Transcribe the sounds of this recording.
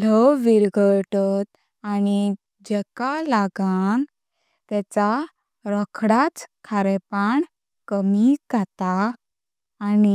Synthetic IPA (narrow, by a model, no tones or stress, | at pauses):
lɔwʋiɾɡʱəʈɔt̪̚ | ani | d͡ʑɛkalaɡan | t̪ɛt͡sa | ɾɔkʰɽat͡skʰaɾɛpaɳ | kəmiɡʱat̪aː | ni